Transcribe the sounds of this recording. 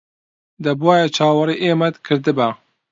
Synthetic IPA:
d̪ɐbuwaːjɛt͡ʃʰaːwɐɾiʔeːmɛt̪kʰɨɾd̪ɨba

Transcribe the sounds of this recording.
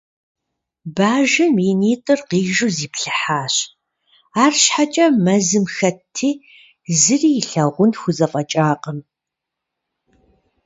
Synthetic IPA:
baːʒɨminiːtʼɨrqiːʒuziːpɬɨħaːɕ | aːrɕħat͡ʃʼɐmɐzɨmxɐtʰːiː | zɨriːjɬɐʁʷʊnxʷʊzɐfʼɐt͡ʃʼaːqəm

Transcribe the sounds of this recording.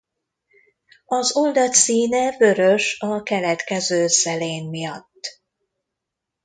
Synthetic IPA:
ɒzold̪ɒt̪siːnɛvø̞ɾø̞ʃɒkɛlɛt̪kɛzøːsɛleːmːijɒt̪ː

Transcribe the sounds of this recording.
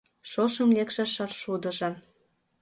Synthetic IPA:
ʃoʃɤ̆mlʲekʃɑʃɑrʃud̪ɤ̆ʒɤ̆

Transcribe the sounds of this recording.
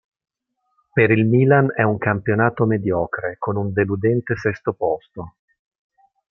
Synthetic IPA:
peɾilmiːlanɛuŋkampjonaːt̪omed̪jɔːkɾekonund̪elud̪ɛnt̪esɛst̪opɔst̪o

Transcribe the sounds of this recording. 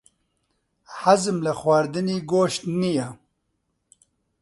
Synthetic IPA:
hazɨmlɐxwaːɾd̪ɨniːɡoːʃt̪nija

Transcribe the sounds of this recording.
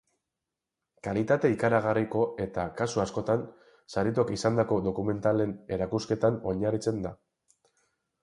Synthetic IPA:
kalit̪at̪e̞ikaɾaɣariko̞e̞t̪akasuasko̞t̪an | saɾit̪oakisand̪ako̞d̪o̞kume̞nt̪ale̞ne̞ɾakuske̞t̪ano̞ɲarit͡se̞nd̪a

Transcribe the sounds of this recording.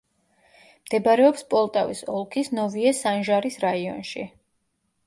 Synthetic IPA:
md̪̥ɛbɾɛɔpspʼɔlˠt̪ʼavḭsɔlˠkʰisnɔviɛsanʒaɾisɾaiɔ̰nʃḭ

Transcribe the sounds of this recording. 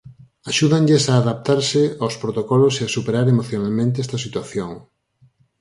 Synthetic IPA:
aʃuðaŋʎesaːðap̚t̪aɾsɪawspɾot̪okɔloseasupeɾaɾemoθjonalmẽnt̪eɛst̪ɐsit̪waθjoŋ

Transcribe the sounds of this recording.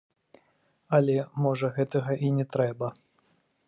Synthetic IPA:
ɐlʲɛmɔʐɐɣɛt̪ɐɣɐʔinʲɛt̪ɾɛbɐ

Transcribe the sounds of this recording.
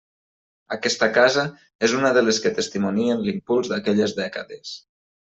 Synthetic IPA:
akɛst̪əkazə | ezunəðəleskət̪əst̪imunienlimpulˠzðakɛʎezðɛkəðes

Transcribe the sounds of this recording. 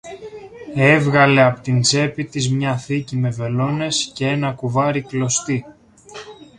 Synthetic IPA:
e̞vɣɐle̞ɐpot̪int͡se̞pit̪izmɲɐθicime̞ve̞lo̞ne̞sce̞e̞nɐkuvɐɾiklo̞st̪i

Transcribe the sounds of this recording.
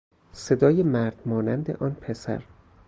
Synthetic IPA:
se̞d̪ɒːjemæɾd̪̥mɒːnænd̪e̞̰ʔɒːnpʰesæ̰ɾ

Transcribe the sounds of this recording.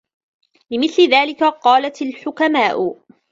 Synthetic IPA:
lɪmɪθlɪðaːlɪkaqɑːlat̪alħʊkamaːʔʊ

